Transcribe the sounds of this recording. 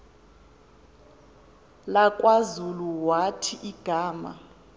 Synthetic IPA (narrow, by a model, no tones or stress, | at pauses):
lakʼwazuluwatʰiʔiɡ̥ʱaːma̰